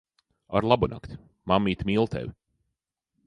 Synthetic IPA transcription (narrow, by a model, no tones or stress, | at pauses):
a̰ɾlˠabuna̰kt̪ʲ | mamːiːt̪ʲmʲiːlˠt̪ʰɛ̰vʲi